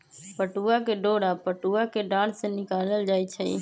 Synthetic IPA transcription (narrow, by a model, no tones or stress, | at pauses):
pəʈuːakeɖoːɽaːpəʈuːakeɖaːɽ̤seːnɪkaːləld͡ʒaːit͡ʃʰəḭ